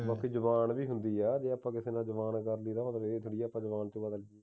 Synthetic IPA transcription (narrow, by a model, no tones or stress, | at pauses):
bãːkiːd͡ʒəʋaːnbiːɦʊnd̪iːɛːd͡ʒeːəpːãːkɪseːnãːd͡ʒəʋaːnkəɾliːd̪aːət̪ɾet̪ʰoɽiːaːpːãːd͡ʒəʋaːnt̪õbad̪əld͡ʒi